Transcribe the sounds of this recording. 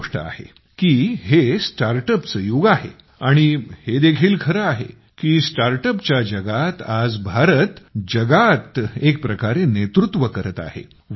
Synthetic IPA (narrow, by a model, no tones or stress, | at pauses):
ʂʈə̰a̰hḛ | kiːhesʈaɾʈəpsəjoɡaɦḛ | aɽ̃ihed̪ekʰiːlkʰəɾəaɦḛ | kiːsʈaɾʈəpt͡ɕjad͡ʑəɡat̪ad͡zbʱaɾət̪d͡ʑəɡat̪ek̚pɾəkaɾenet̪ɾut̪ʋəkəɾət̪a̰hḛ